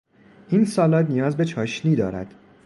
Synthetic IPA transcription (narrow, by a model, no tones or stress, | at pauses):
ʔiːnsɒːlɒːt̪nijɒːzbe̞t͡ʃʰɒːʃniːd̪ɒːɾæ̰d̪̥